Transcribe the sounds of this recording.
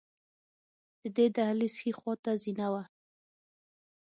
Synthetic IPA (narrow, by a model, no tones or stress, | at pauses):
d̪̥əd̪ed̪ahlisxixwɑt̪azinawa